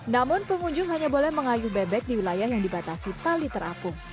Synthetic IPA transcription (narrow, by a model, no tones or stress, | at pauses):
namʊnpəŋuɲd͡ʒʊŋɦaɲabolɛhməŋajʊhbɛbɛk̪̚diwilajahjaŋdibat̪asit̪alit̪əɾakʊŋ